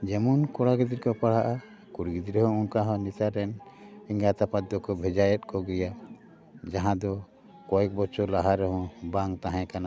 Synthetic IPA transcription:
d͡ʒɛmunkɔɽaɡid̪iɾkɔpaɽ̤aʔa | kuɽɡid̪iɾɛɦɔ̃unkaɦɔ̃nisaɾɛniŋɡat̪apat̪ːɔkɔbʱɛd͡ʒajɛt̪̚kɔɡɛja | d͡ʒaɦãd̪ɔ | kɔɛk̚bɔt͡ʃɔlaɦaɾɛɦɔ̃baŋt̪aɦɛ̃kana

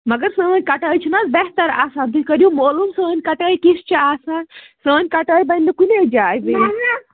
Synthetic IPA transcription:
mɐɡɐɾsəːnʲkɐʈəːjt͡ʃʰinasbeɦt̪ɐɾa̰ːsaːd̪ikɐɾjumoːlumsəːnʲkɐʈəːjkist͡ʃɐaːsaːnsəːnʲkɐʈəːjbɐnʲːɐkuned͡ʒaːjbi

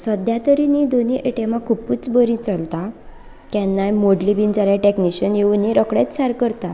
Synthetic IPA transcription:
səd̪jat̪əɾinid̪oniʔeʈemãkʰupuːt͡sbəɾĩt͡səlt̪a | kɛnːajmoɖlibiːnd͡zaljaʈekniɕənjeuniɾəkɽet̪saɾkəɾt̪a

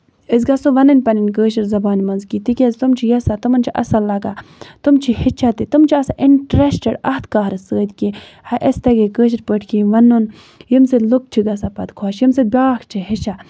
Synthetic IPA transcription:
əsɡɐsoʋɐnɨnʲpɐninʲkəːʃiɾzɐbaːnimɐnzkit̪ikʲezt̪umt͡ʃʰijɐsat̪umɐnt͡ʃʰiʔɐ̰sɐlɐɡat̪umt͡ʃʰihit͡ʃʰat̪it̪umt͡ʃʰiɐsaʔiɳʈɾesʈeɖɐht̪kaːɦɾsəːd̪ki | hɐʔesʲt̪ɐɡekəːʃ̬iɾpəʈʰkiʋɐnːun | jimseluk̚t͡ʃʰiɡɐsapɐ̰d̪kʰoːʃjimsebʲaːkt͡ʃʰiɦit͡ʃʰa

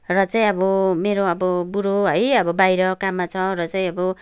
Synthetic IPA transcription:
rʌt͡saĩʌbʌmeɾoʌbʌbuɾoɦʌjʌbʌbajɾʌkamːat͡sʰʌ̃rʌt͡saĩʌbʌ

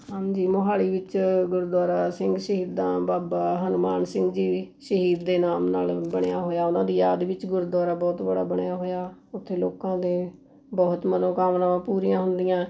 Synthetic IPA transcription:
ɦãːd͡ʒiːmoɦaːliːʋɪt͡ʃɡʊɾd̪waːɾaːsɪŋɡʃəɦiːd̪ːãːbaːbaːɦənʊmaːnsɪ̃ŋɡd͡ʒiː | ʃəɦiːd̪ːeːnaːmnaːlbəɳ̃ejaːɦoːjaːʊnãːd̪iːjaːd̪ʋɪt͡ʃɡʊɾd̪waːɾaːbɔːt̪bəɽaːbəɳejaːɦoːjaːʊt̪ʰːeːloːkãːd̪eː | bɔːʊt̪mənõːkaːmnamãːpuːɾijãːɦʊnd̪ɪjãː

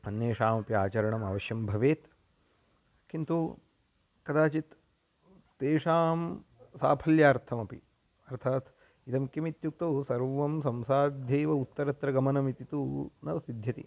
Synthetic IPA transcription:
ɐnjeːʂaːmɐpiaːt͡ʃɐɾɐɳɐmaːʋɐʃjɐmbʱɐʋeːt̪ | kint̪u | kɐd̪aːt͡ʃit̪ː | eːʂaːmsa̰ːpʰɐljaːɐɾt̪ʰɐmɐpḭ | ɐɾt̪ʰaːt̪ | it̪ɐmkjɐmit̪juk̚t̪osɐɾʋɐmsɐ̃msaːd̪ʱjeːʋɐut̪ːɐɾɐt̪ɾɐɡɐmɐnɐmit̪it̪unɐʋɐsid̪ʱjɐt̪ḭ

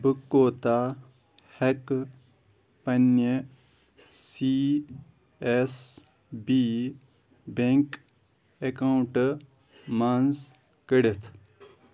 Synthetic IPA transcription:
bɨkːoːt̪aː | hek | pɐne | si | es | bi | beŋk | ekawɳʈ | manz | kɐɽet̪ʰ

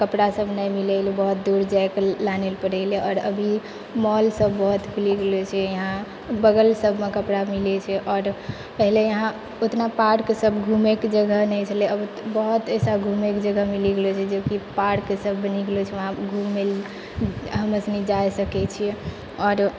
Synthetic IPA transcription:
kəpɽasəbʱnəjmilɛlibəɦut̪̚d̪uɾd͡ʒaeklanelpəɽɛleɔːɾə̰bʱi | mɔlsəbʱːəɦut̪kiliɡelet͡ʃʰɛjəɦã | bəɡəlsəbʱmekəpɽamilet͡ʃʰɛʔɔɾ | pəɦilejəɦã | ot̪napaʈkesəbɡʱumekd͡ʒəɡʱəɦnɛjt͡ʃʰəleəb | bɔɦut̪esaɡʱumekd͡ʒəɡʱəmiliɡelet͡ʃʰɛd͡ʒokipaɾkesəbʱniɡlot͡ʃʰɛʋəɦãɡʱumːel | ɦəməsnid͡ʒajsəkɛt͡ʃʰi | ɔːɾ

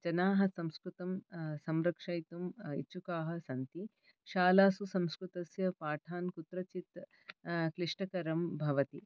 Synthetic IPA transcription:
t͡ʃɐnaːɦɐ̆sɐ̃mskɾut̪ɐmsɐmɾɐkʂɐjt̪umḭt͡ʃukaːɦɐ̆sɐnt̪i | ʃaːlaːsusɐ̃mskɾut̪ɐsjɐpaːʈʰaːnkut̪ɾɐt͡ʃit̪ | kɾiʂʈɐkɐɾɐmbʱɐʋɐt̪i

